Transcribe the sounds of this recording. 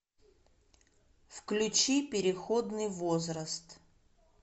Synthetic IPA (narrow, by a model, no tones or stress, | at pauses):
fklʲʊt͡ɕipʲɪɾʲɪxod̪nɨjvozɾəst̪